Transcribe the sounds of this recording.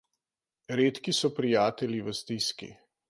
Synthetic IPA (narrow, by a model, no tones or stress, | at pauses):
ɾeːt̪kisɔpɾijaːt̪ɛliʋəst̪iskḭ